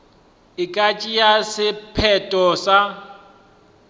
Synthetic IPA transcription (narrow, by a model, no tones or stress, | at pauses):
ɪkʼat͡ʃʼijasɪpʰɛtʼɔsa